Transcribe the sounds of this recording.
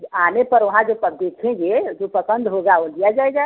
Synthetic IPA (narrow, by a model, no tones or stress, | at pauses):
anepəɾʋɐɦãd͡ʒopəd̪ekʰẽɡed͡ʒopəsə̃nd̪ʱɦoɡaolijad͡ʒaːeɡa